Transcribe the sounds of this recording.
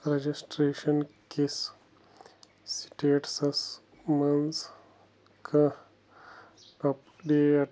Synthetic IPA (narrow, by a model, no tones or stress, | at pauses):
ɾɐd͡ʒisʈɾeːʃɐnkes | si̥ʈeːʈsɐs | mɐns | kʰɐ̃ | ɐp | ɖeːɐ